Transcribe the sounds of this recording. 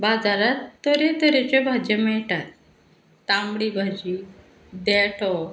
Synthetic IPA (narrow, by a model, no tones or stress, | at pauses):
bad͡zaɾat̪ːɔɾet̪əɾet͡ɕebʱad͡ʑemɛʈat̪̚ː | ãmɽibʱad͡ʑi | d̪ɛʈʰɔ